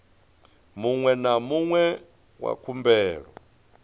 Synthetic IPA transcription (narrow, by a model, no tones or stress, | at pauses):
muŋwɛnamuŋwɛ | wa̰kʰumbɛːɺɔ